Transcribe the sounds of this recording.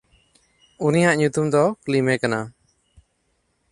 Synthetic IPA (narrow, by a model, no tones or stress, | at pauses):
unijaʔɲut̪umd̪ɔklimɛkana